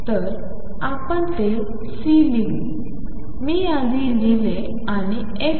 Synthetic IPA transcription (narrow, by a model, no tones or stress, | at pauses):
t̪əɾ | apəɳt̪e | silili | miːjãd̪ilile | aɽ̃i | e